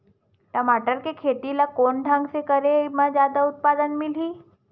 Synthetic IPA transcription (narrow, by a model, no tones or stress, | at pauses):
t̪amaʈəɾkekʰet̪ilakoɳɖʱãŋɡsekəɾemad͡zjad̪aut̪̚pad̪ənmiliː